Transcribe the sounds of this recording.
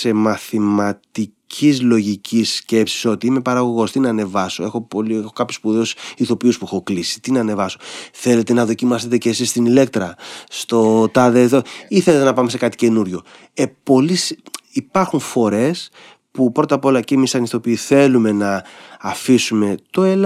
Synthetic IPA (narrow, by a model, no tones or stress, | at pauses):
se̞mɐθimɐt̪icʰizlo̞ʝicʰisːce̞psi̥so̞t̪iime̞pɐɾɐɣo̞ɣo̞st̪inɐːne̞vɐsoe̞xo̞poliexokɐpçospuðeosiθo̞piuspuixoklisi̥t̪inɐːne̞vɐso̞θe̞le̞t̪e̞nɐðo̞cimɐse̞t̪e̞cesist̪inile̞k̚t̪ɾɐst̪o̞t̪ɐðeðoiθe̞le̞t̪e̞nɐpɐme̞se̞kɐt̪i̥ce̞nuɾʝo̞ | epo̞lisipɐɾxunfo̞ɾe̞s | pupɾo̞t̪ɐpo̞lɐcemisɐnist̪o̞piiθe̞lume̞nɐːfisume̞t̪o̞el